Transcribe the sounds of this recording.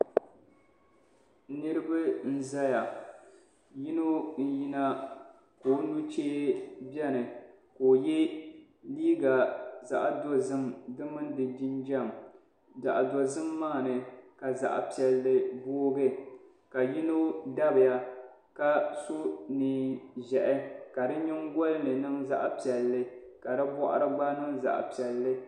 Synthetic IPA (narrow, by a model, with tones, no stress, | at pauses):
nɨ˦ɾɨ˦bɨ˦n̩˦za˦ja˨ | ji˦no˦n̩˦ji˦na˦ | koː˨˦nu˦t͡ʃeː˦bɛ˦nɨ˨ | koː˨jɛ˦ | liː˦ɡa˨za˨ʔa˨do˦zɨ˦mdɨ˦mɨ˦n˦dɨ˨d͡ʒi˦nd͡ʒa˦˨m | za˨ʔdo˨zɨ˦mːaː˦˨nɨ˨ka˨za̰˨ʔa̰˨pi˨ɛ˨lːɨ˨boː˦ɡɨ˦ | ka˨ji˦no˦da˦bɨ˨ja˦ | ka˦so˦niː˨ʒɛ˨ʔɛ˦ka˨dɨ˦ɲɪ˦ŋɡɔ˦lnɨ˨nɨ˦ŋza˦ʔa˦pi˨ɛ˨lːɨ˦ | ka˨dɨ˦bɔ˦ʔa̰˦ɾɨ˦ɡ͡ba˦nɨ˦ŋza̰˨ʔpi˨ɛ˨lːɨ˦